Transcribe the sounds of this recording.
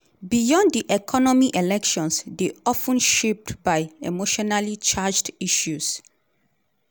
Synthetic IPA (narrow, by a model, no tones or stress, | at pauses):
bijɔ̃nddiʔɛkʰɔnɔmiʔelɛkʃɔ̃nsdeɔfə̃nʃep̚tbaɪḛmoʃɔnalit͡ʃad͡ʒdiʃus